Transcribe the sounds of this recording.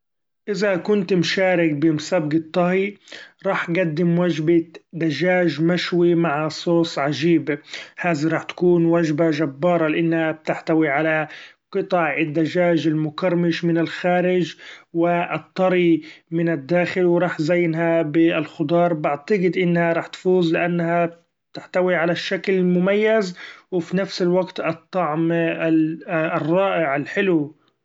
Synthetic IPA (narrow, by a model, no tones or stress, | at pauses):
ʔɪzakʊnt̪mʃaːɾɪk̚bɪmʊsabɡɪt̪ˤːɑhiɾˤɑːħɡad̪ːɪmwaʒbad̪aʒaːʒmaʃwimaʕsˤoːsˤʕaʒiːbhaːziɾˤɑːħt̪ḁkuːnwaʒbaʒabːɑːɾˤɑlɪʔɪnːhab̚t̪ɪħt̪awiʕala | qɨt̪ˤɑʕɪd̪ːaʒaːʒɪlmʊkɑɾˤmɪʃmɪnɪlxaːɾɪd͡ʒwɪʔt̪ˤːɑɾimɪnɪd̪ːaːxɪlwɾˤɑːħzajːnɦabɪɪlxʊd̪ˤɑːɾˤbɪʕt̪aɡɪd̪ʔɪnːhaɾˤɑːħt̪fuːzlɪʔanːha | t̪ɪħt̪awiʕalaʃːaklɪmʊmajːazwɪfinafsɪlwaɡt̪ɨt̪ˤːɑʕm | rˤːɑːʔɪʕɪlħɪlu